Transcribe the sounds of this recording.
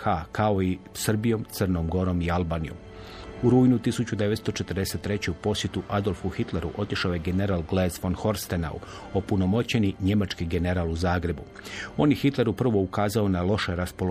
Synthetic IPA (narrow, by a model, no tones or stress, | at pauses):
akʰao̞isr̩bijo̞mt̪sərno̞mɡo̞ɾo̞mialbaːnijo̞̰m | uɾuːjnut̪isut͡ɕud̪e̞ʋe̞t̪st̪o̞t͡ʃe̞t̪rd̪ese̞t̪ːɾe̞t͡ɕeupo̞sje̞t̪uʔad̪o̞lˠfuxit̪le̞ɾṵʔo̞t̪iʃaojeɡe̞ne̞ɾalɡlezfonxo̞ɾst̪ena̰ṵ | opuno̞mo̞t͡ɕe̞niɲe̞mat͡ʃkiɡe̞ne̞ɾaːluzaːɡɾe̞bu | o̞ːnjexit̪le̞ɾupr̩ʋo̞ukaːzao̞nalˠo̞ʃe̞ɾaspo̞lo